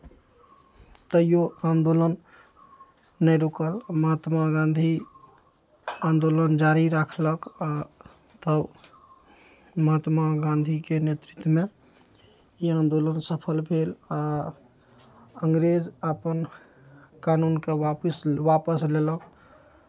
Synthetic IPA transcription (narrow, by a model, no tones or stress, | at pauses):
t̪əijoãnd̪olən | ɛjɾukəlməɦət̪maɡãnd̪ʱi | ãnd̪olənd͡ʒaɾiɾakʰləka | t̪ə | məɦət̪maɡãnd̪ʱikenet̪ɾit̪wəme | iãnd̪olənsəpʰəlbʱela | əŋɡɾed͡ʒəpən | kanunkeʋapisʋapəslelək